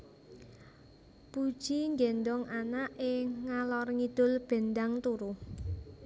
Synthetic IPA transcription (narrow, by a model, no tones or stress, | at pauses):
pud̥ʒ̥iŋɡɛnd̪ɔŋʔanaʔɪŋːalɔrŋid̪̥ʊ̤lb̥e̤nd̪aŋt̪uɾuh